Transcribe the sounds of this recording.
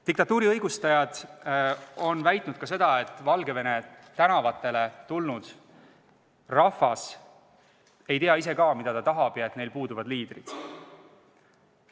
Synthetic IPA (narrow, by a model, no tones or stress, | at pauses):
t̪ikt̪ɑt̪ːuːɾiɤjɡ̥ust̪ɑjɑd̪̥ | o̞nvæjt̪ˑnud̪̥̚kɑse̞d̪̥ɑe̞t̪ːˑvɑlɡe̞ve̞ne̞ | t̪ænɑvɑt̪ːˑe̞le̞t̪ulnud̪̥ | rɑfɑs | e̞jt̪eɑise̞kɑːmid̪ɑt̪ɑt̪ɑɦɑb̥jɑet̪ːne̞jlpuːd̪uvɑd̪̥liːd̪rid̪̥